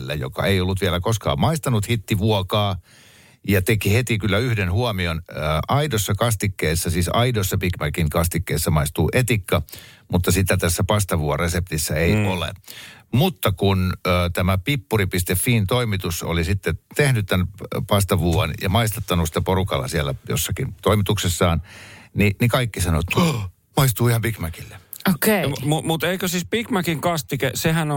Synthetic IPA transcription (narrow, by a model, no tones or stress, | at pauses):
lːæ̰jo̰kɑ̰eiolːut̪ʋiælækoskɑ̰ːmmɑist̪ɑnut̪hit̪ːiʋuɔkɑː | jɑt̪ekihet̪ikylːæyhdenhuɑmionəːʔɑidosːɑkɑst̪ikːeːsːæsiːsɑidosːɑpikmækiŋkɑst̪ikːḛːsːæmɑist̪uːʔet̪ikːɑmut̪ːɑsit̪æt̪æsːæpɑst̪ɑʋuɑresep̚t̪isːæeiʔolḛmut̪ːɑkunəːt̪æmæpipːuripist̪efːiːnt̪oimit̪uso̰lisit̪ːet̪ehnyt̪t̪ænpɑst̪ɑʋuːɑnjɑ̰mɑist̪ɑt̪ːɑnusi̥t̪ːæporukɑ̰lːɑ̰siælːæjo̰sːɑkint̪oimit̪uksesːɑːnninikɑikːisɑno̰t̪ | mɑist̪uːihɑmpikmækilːeokemumut̪eikøsiːspikmækiŋkɑst̪ikesehæno